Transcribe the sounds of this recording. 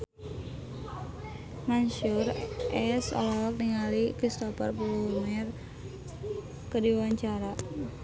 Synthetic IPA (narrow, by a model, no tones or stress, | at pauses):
maɲʃurʔɛsɔ̰lɔlɔk̚niŋalikɾist̪ɔfarpulumɛr | kədiwaɲt͡ʃaɾa